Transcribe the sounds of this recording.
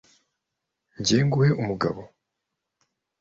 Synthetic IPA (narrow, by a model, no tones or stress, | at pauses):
ɲɟeːŋɡuhe̞umuɡaβo̞